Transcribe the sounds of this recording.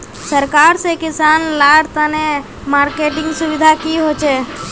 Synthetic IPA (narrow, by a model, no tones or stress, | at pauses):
səɾkaːɾsekɪsaːnlaːɽt̪əne | maːɾkeːʈɪ̃ŋɡsʊʋɪd̪ʱakiɦoːt͡ʃeː